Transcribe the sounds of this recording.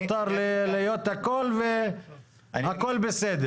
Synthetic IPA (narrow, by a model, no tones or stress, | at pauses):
t̪ɑɾˤllejot̪akolve | akolbɪsed̪ɛɾ